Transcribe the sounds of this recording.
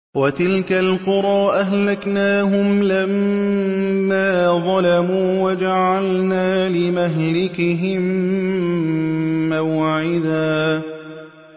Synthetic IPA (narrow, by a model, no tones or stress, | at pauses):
wat̪ɪlkalqʊɾˤɑːʔaɦlaknaːɦʊmlamː | aːðˤɑlamuːwad͡ʒaʕalnaːlɪmaɦlɪkɪɦɪm | awʕɪd̪aː